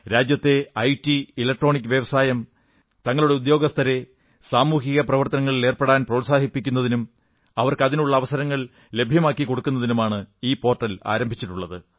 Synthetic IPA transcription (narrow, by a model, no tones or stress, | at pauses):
ɾaːd͡ʑjɐt̪ːe̞ɐjʈːiilɐk̚ʈro̞ːɳik̬ʲːɨʋjɐʋɐsaːjɐm | t̪ɐŋːɐɭuɽe̞ud̪jo̞ːɡɐst̪ʰɐɾe̞ | saːmuːɦiɣɐprɐʋɐrt̪ɐnɐŋːɐɭile̞ːrpeɽaːnprɐʋsaːɦipːikʲːun̪ːɐðinum | ɐʋɐrkɨɐðinuɭːɐːʋɐsɐɾɐŋːɐɭ | le̞bʱjɐmaːkːiko̞ɽukːunːɐðinumaːɳɨiːpo̞ːrʈːɐla̰ːɾɐmbʱit͡ɕːiʈːuɭːɐðɨ